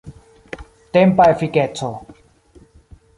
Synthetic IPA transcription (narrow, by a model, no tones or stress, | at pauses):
t̪empaefikɛt͡sʰo